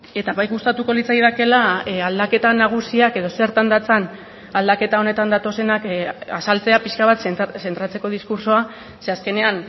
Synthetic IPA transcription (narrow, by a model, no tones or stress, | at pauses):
e̞t̪aβajɣust̪at̪uko̞lit͡sajðake̞laald̪ake̞t̪anaɣ̞usiake̞ðo̞se̞ɾt̪and̪at͡san | ald̪ake̞t̪ao̞ne̞t̪and̪at̪o̞se̞nakasalt͡se̞apiskaβat̪sse̞nt̪ɾat͡se̞ko̞ð̞iskuɾsoa | se̞aske̞ne̞an